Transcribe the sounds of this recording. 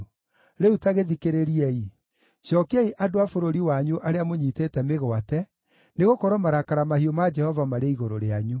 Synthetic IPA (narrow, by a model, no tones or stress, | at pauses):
ɾeutaɣeðikeɾeɾiɛi | ɕjɔkeɛiʔadoafoɾoɾiwaɲuʔaɾeamoɲitetɛmeɣɔatɛ | neɣokɔɾɔmaɾakaɾamahiɔmad͡ʒɛhɔvamaɾeiɣoɾoɾeaɲu